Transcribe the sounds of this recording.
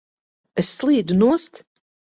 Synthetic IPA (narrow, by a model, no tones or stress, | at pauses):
ɛsːlˠiːd̪unuɔst̪